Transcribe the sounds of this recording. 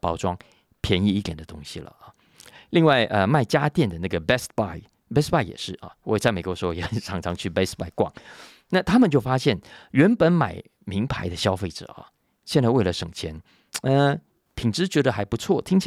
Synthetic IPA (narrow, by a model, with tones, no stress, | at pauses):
pɑ˥ʊʈ͡ʂwɑ˥ŋ | pʰjɛ˧˥ni˥˧i˥˩t̪jɛ˨˩nd̪ə˦t̪ʊ˥ŋɕi˨lə̰˩ | li˥˧ŋwa˥˩ɪʔə˧ma˥˩ɪt͡ɕja˥t̪jɛ˥˩nd̪ə˩na˥˩ɡə˩bɛ˥spa˥˩ɪ | bɛ˥spa˥˩ɪjɛ̰˨˩ʂɻ̩˥˩ɐ̰˨˩wɔ˧˦˧t͡sa˥˩ɪme˨˩ɪkwɔ˧˥ʂɻ̩˧˥xo˥˧˩jɛ˧˩ʈ͡ʂʰɑ˧˥ŋʈ͡ʂʰɑ˧˥ŋt͡ɕʰy˥˩be˥ɪspa˥˧ɪkwɑ̰˥˩ŋ | na˥˨t̪ʰa˥mə˨nt͡ɕjo˥˩ʊfa˥ɕjɛ˥˩nɥɛ˧˥npə˧˥nma˨˩ɪ | mi˧˥ŋpʰa˧˥ɪd̪ə˧ɕjɑ˥ʊfe˥˩ɪʈ͡ʂə̰˨˩ɐ̰˩ | ɕjɛ˥˧nt͡sa˥˧we˥˩ɪlə˩ʂɤ̰˨˩ŋt͡ɕʰjɛ˧˥n | ə˧ | pʰi˨˩ŋʈ͡ʂɻ̩˥t͡ɕɥɛ˧˥d̪ə˧˨xa˧˥ɪpu˧˥t͡sʰwɔ˥˩t̪ʰi˥ŋt͡ɕʰ